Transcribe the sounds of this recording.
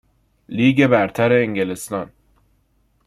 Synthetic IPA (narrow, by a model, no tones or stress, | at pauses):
liːɡe̞bæɾt̪ʰæɾeːŋɡelest̪ɒn